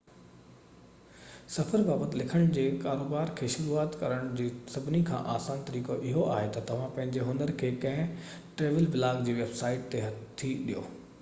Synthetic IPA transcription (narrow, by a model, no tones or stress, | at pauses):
sɐfəɾbaːbət̪ɪlɪkʰəɽ̃d͡ʑeːkaːɾoːbaːɾkʰeːʃʊɾuːaːt̪kɐɾəɽ̃d͡ʑiːsɐbʱɪnikʰã̰ːʔaːsaːnt̪ɐɾiːkoʔɪɦoaːɦet̪ɐt̪ɐʋ̤ãpɐ̃ɦɪ̃ɲd͡ʑeɦʊnəɾkʰeːkɐ̃ɦɪ̃ | ʈɾeːʋəlbɪlaːɡd͡ʑiːʋeːbsaːɪʈ̚t̪eɦɐt̪ʰːiɗijo̰ː